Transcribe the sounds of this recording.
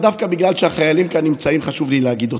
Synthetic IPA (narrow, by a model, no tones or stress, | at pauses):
d̪afkabiɡlalʃehaχajalimkanːimt͡saimχaʃuvlilehaɡid̪ot